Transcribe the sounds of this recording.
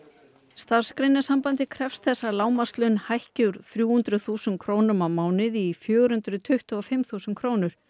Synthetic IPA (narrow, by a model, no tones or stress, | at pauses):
st̪ar̥skɾɪnːḁsampant̪ɪkʰɾɛfst̪θɛsːalaːwmast̪lʏnhajhcʏɾθɾjuːhʏnt̪ɾʏθuːsʏnkʰɾoːwnʏmawmaːwnɪðifjœːɣʏɾhʏnt̪ɾʏt̪ʰʏht̪ʏɔfɪmθuːsʏnkʰɾoːwnʏɾ̥